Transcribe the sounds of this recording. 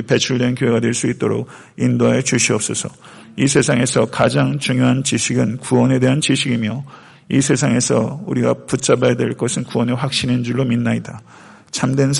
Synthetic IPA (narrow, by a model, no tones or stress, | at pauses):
pe̞t͡ɕʰuɭdwe̞nkjoɦe̞ɡadwe̞ɭs͈uit̚t͈oɾok̚ | indoaet͡ɕuɕʰiʌp̚s͈ʌsʰʌ | isʰe̞sʰaŋe̞sʰʌkad͡ʑaŋt͡ɕuŋjoɦant͡ɕiɕʰiɡɯnkuwʌne̞de̞ɦant͡ɕiɕʰiɡimjʌ | isʰe̞sʰaŋe̞sʰʌuɾiɡa̰put͡ɕ͈abajadwe̞ɭk͈ʌsʰɯnkuwʌneɸwak̚ɕ͈inind͡ʑuɭːominːaida | t͡ɕʰamdwe̞nsʰ